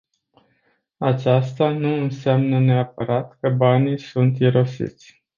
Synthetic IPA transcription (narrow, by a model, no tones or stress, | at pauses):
at͡ʃast̪anuɨnsamnəne̞ap̚əɾat̪kəbanijsunt̪iɾo̞sḭt̪sʲ